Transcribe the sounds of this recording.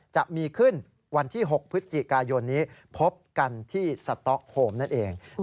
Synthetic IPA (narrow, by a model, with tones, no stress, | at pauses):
t͡ɕa˨˩p̚miː˧kʰɯ˥˩n | wa˧nt̪ʰiː˥˩ɦo˨˩k̚pʰɯ˦˥sḁ˧t͡ɕi˨˩kaː˧jo˧nːiː˦˥pʰo˦˥p̚ka˧nt̪ʰiː˥˩sa˧t̪ɔ˦˥k̚hoː˧mna˥˩nʔeː˧ŋ